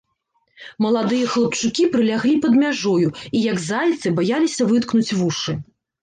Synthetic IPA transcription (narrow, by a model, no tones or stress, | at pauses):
mɐlˠad̪ɨjɐxlˠɐp̚t͡ʂɨkʲipɾɨlʲaɣlʲipɐd̪mʲaʐɔjuijɐɡzalʲt̪sɨbajalʲisʲɐvɨt̪knut͡sʲvuʂɨ